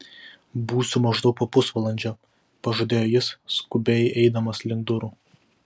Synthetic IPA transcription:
buːsʲʊmɐʒd̪ɒʊkpɐpʊsʋɐlˠɐnʲd͡ʒʲo | pɐʒoːd̪ʲeːjoːjɪsːkʊbʲɛːjʔɛɪd̪ɐmɐslʲɪŋɡd̪ʊɾuː

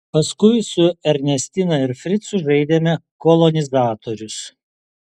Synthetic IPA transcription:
pɐskʊɪsʊɛɾʲnʲɛsʲt̪ʲɪnɐɪɾfʲɾʲɪt̪sʊʒɐɪd̪ʲemʲɛkɔlˠɔnʲɪzɑːt̪oːɾʲʊs

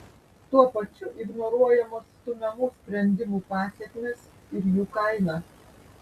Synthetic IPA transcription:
t̪uɔpɐt͡ʃʲʊʔɪɡnɔɾuɔjɛmoːst̪ʊmʲɛmʊːsʲpʲɾʲɛnʲd̪ʲɪmuːpɑːsʲɛkʲmʲes | ɪɾjuːkɐɪnɑː

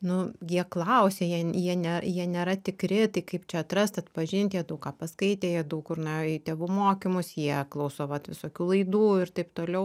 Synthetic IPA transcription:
nʊjʲiɛklˠɐʊsʲeːjiɛjiɛnʲɛjiɛnʲeːɾɐt̪ʲɪkɾʲɪt̪ɐɪkɐɪpt͡ʃʲɛɐt̪ɾɐst̪ɐt̪pɐʒʲɪnʲt̪ʲjiɛd̪ɐʊkkɑːpɐskɐɪt̪ʲeːjiɛd̪ɐʊkʊrnɑɪt̪ʲeːʋuːmoːkʲɪmʊsjiɛklˠɐʊsoːʋɐt̪ʋʲɪsoːkʲuːlˠɐɪd̪uːɪrt̪ɐɪpt̪oːlʲɛʊ

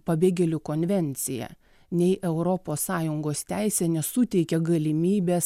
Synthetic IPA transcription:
pɐbʲeːɡʲɛlʲʊkoːnʲʋʲɛnʲt̪sʲɪjɛ̰ | nʲɛɪʔɛʊɾɔpoːsɑːjʊŋɡoːst̪ʲæɪsʲɛːnʲɛsʊt̪ʲɛɪkʲɛɡɐlʲɪmʲiːbʲeːs

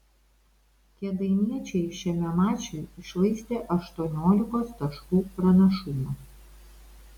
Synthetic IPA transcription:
kʲɛd̪ɐɪnʲiɛt͡ʃʲɛɪʃʲɛmʲɛmɑːt͡ʃʲɛjɪʃlˠɐɪsʲt̪ʲeːʔɐʃt̪uɔnʲoːlʲɪkoːst̪ɐʃkuːpɾɐnʲɐʃʊmo

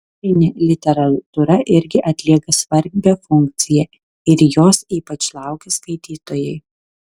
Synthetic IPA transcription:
ɪnʲeːlʲɪt̪ʲɛɾɐt̪ʊɾɐʔɪɾʲɡʲɪʔɐt̪ʲlʲiɛkɐsʋɐɾʲbʲɛfʊŋʲk̚t̪sʲɪjɛː | ɪɾjoːsiːpɐt͡ʃlˠɑˑʊkʲeskɐɪt̪ʲiːt̪oːjɛɪ

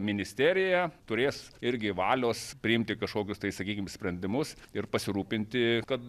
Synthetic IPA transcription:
mʲɪnʲɪsʲt̪ʲæːɾʲɪjɛt̪ʊɾʲeːsɪɾʲɡʲɪʋɑːlʲoːspʲɾʲɪɪmʲt̪ʲɪkɐʃkoːkʲʊst̪ɐɪsɐkʲiːkʲɪmsʲpʲɾʲɛnʲd̪ʲɪmʊsɪrpɐsʲɪɾuːpʲɪnʲt̪ʲɪkɐt̪

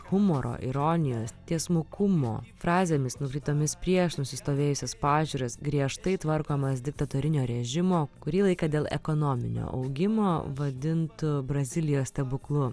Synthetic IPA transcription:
hʊmoːɾʔo̰ːʔɪ̰ɾoːnʲɪjoːst̪ʲiɛsmʊkʊmo̰ːfɾɑːzʲeːmʲɪsnʊkɾʲiːt̪oːmʲɪspʲɾʲiɛʃnʊsʲɪst̪oːʋʲeːjʊsʲɛspɑːʒʲuːɾʲɐsɡɾʲiɛʃt̪ɐɪt̪ʋɐɾkoːmɐsd̪ʲɪk̚t̪ɐt̪oːɾʲɪnʲoːɾʲɛʒʲɪmoːkʊɾʲiːlˠɐɪkɐd̪ʲeːlˠɛ̰koːnomʲɪ̰nʲo̰ːʔɐ̰ʊɡʲɪmoːʋɐd̪ʲɪnt̪bɾɐzʲɪlʲɪjoːst̪ʲɛbʊklˠʊ

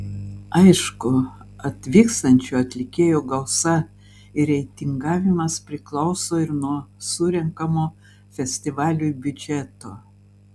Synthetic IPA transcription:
ɐɪʃkʊɐt̪ʲʋʲiːkst̪ɐnʲt͡ʃʲuːɐt̪ʲlʲɪkʲeːjuːɡɐlˠsɐ | ɪɾʲɛɪt̪ʲɪŋɡɑːʋʲɪmɐspʲɾʲɪklˠɒʊsoːɪɾnuɔsʊɾʲɛŋkɐmoː | fʲɛsʲt̪ʲɪʋɑːlʲujbʲʊd͡ʒʲɛt̪oː

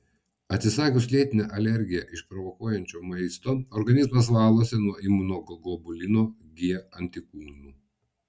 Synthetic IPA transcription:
ɐt̪ʲsʲɪsɑːkʲʊslʲiɛt̪ʲɪnʲɛːʔɐlʲɛɾʲɡʲɪjɛʔɪʃpɾɔʋɔkuɔjɛnʲt͡ʃʲoːmɐɪst̪oːɔɾɡɐnʲɪzmɐs̬ʋɑːlˠoːsʲɛnuɔɪmunoːɡɔɡɔbʊlʲɪnoːɡʲiɛɐnʲt̪ʲɪkuːnuː

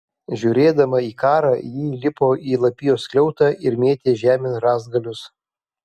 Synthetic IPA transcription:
ʒʲuːɾʲeːd̪ɐmɐiːkɑːɾɑːjiːlʲɪpoːʔiːlˠɐpʲɪjoːsklʲɛʊt̪ɑːʔɪɾmʲeːt̪ʲeːʒʲæːmʲɪnɾɑːzɡɐlʲʊs

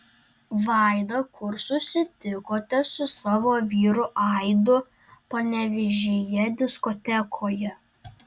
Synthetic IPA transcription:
ʋɑˑɪd̪ɐkʰʊɾsʊsʲɪt̪ʲɪkoːt̪ʲɛsʊsɑːʋoːʋʲiːɾʊʔɐɪd̪ʊ | pɐnʲɛʋʲɪʒʲejɛd̪ʲɪskɔt̪ʲɛkʰoːjɛ

